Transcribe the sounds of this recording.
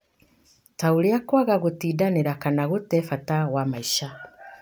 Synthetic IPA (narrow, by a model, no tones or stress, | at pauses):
tauliakwaɣaɣutiːdaniɾakanaɣutefatawamaiʃa